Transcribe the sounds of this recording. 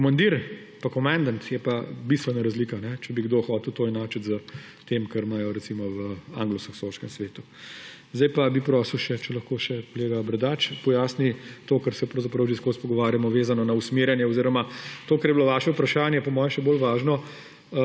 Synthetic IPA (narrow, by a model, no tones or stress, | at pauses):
kɔmand̪iɾ | pakɔmand̪ant̪jɛpabist̪ʋɛnaɾɐzlikanɛt͡ʃɛbiɡd̪oxɔːt̪wt̪oːinaːt͡ʃət̪zə | t̪eːmkɐɾmaːjɔɾɛtsimɔʋəa̰ːŋɡlɔskɔksoskɛmsʋeːt̪u | zd̪ajpabipɾɔːsəwʃɛt͡ʃɛlɐxkoːʃɛkɔleːɡabɾɛd̪aːt͡ʃpɔjaːsnit̪oːkɐɾsɛpɾɐwzɐpɾɐwʒiskospɔɡɔʋaːɾjamɔʋeːzanɔnausmeːɾjɛnjɛɔziɾɔmat̪oːkɐɾjɛbiloʋaːʃɛupɾɐʃaːnjɛpɔmɔːjɛʃɛboːlʋaːʒnɔ